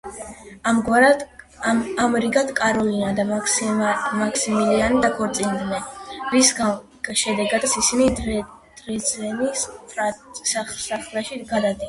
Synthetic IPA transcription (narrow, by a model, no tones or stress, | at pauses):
amɡwaɾa | amɾiɡad̪kʼaɾɔlinad̪a | makʰsimilianid̪akʰɔɾt̪sʼind̪mɛɾisɡa | ɡʃɛd̪ɛɡad̪sisini | d̪̥ɾɛzɛnispʰɾasasaχɾɛʃiɡad̪ad̪ia